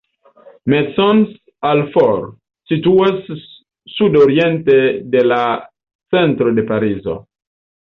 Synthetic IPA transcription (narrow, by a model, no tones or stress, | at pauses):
mesɔns | alfoɾ | situasː | udoɾientede̞la | t͡sentɾo̞de̞paɾizo̞̰